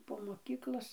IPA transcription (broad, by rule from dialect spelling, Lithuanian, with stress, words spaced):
poː moːˈkʲiːklˠoːs